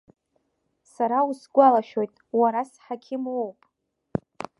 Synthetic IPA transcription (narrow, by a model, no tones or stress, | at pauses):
saɾausɡʷalaʃᶣo̞jtʼwaɾasħakʲʰɪmowpʼ